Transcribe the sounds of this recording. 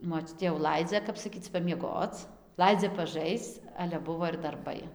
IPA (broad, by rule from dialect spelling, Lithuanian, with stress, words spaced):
moːˈt͡ʃʲʊtʲeː jɛʊ ˈlˠɐɪd͡zʲɛ ˈkɐp sɐˈkʲiːt͡s pɐmʲiɛˈɡoːt͡s ˈlˠɐɪd͡zʲɛ pɐˈʒɐɪst͡s ˈɑːlʲɛ ˈbʊʋoː ɪr dɐrˈbɐɪ